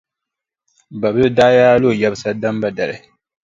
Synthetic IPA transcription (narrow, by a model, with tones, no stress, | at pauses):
ba˨bɨ˦daː˦jaː˦lo˦˨ja˦bɨ˦sa˦da˦mba˦da˨ɾɨ̰˨